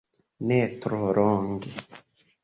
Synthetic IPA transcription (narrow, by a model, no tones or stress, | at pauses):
netɾoɾoːŋɡe